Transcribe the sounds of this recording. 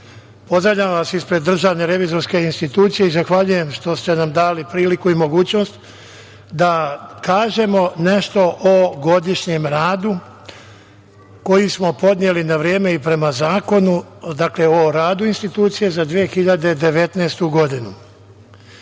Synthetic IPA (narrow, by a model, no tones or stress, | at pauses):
po̞zɾaʋʎʲaʋaːsispɾe̞d̪ːr̩ʒaːʋne̞ɾe̞ʋizo̞ɾske̞inst̪it̪uːt̪sije̞izaxʋaʎuje̞mʃt̪o̞st̪e̞namd̪aːlipɾiːlikuimoɡuːt͡ɕno̞st̪ | d̪akaːʒe̞mo̞ne̞ʃt̪o̞ʔoɡo̞d̪iʃɲe̞mɾaːd̪u | ko̞jismo̞po̞d̪njelinaʋɾje̞ːme̞ipɾe̞mazaːko̞nud̪akle̞oɾaːd̪uinst̪it̪uːt̪sije̞zad̪ʋije̞xiʎad̪e̞d̪e̞ʋe̞t̪naːst̪uɡo̞d̪inu